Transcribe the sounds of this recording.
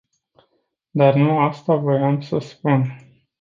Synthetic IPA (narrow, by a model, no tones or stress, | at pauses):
d̪arnuast̪avəjamsəspun